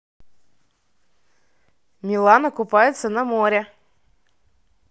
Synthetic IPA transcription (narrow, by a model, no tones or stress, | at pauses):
mʲilˠanɐkʊpajɪt̪sɐnɐmoɾʲɛ